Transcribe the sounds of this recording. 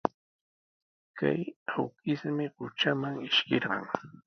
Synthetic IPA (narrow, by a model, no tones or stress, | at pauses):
ka̰jawkɪsmɪɢʊt͡ʃamaŋɪʃkɪɾɢɑ̰ŋ